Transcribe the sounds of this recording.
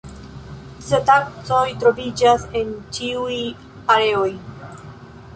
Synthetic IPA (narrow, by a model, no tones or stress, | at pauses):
setak̚t͡so̞jtɾo̞vid͡ʒase̞nt͡ʃiuj | aɾe̞o̞j